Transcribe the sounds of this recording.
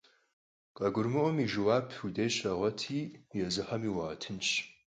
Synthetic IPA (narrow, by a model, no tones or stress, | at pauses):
qʼɐɡʷʊrmɨʔʷɔmiːʒɨwaːpʰudeːɕɐʁʷɐtʰiːjɛzɨħɐmiːwaːtʰɨnt͡ʃʰ